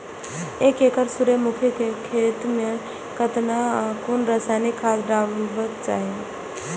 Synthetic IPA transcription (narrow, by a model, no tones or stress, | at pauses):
ekekəɾsuɾemukʰjəkekʰet̪me | kət̪nakonɾəsanikʰːasɖabət͡ʃai